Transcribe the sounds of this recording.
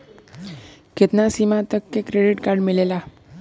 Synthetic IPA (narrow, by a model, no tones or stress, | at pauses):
ket̪nasimãt̪əkːekɾeɖiʈkaɾɖmilela